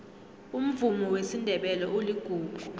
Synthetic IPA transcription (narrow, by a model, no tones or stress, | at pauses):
um̩vumɔwesindʱɛɓɛlɔʔoliɡ̥ʱuːɡ̥ʱu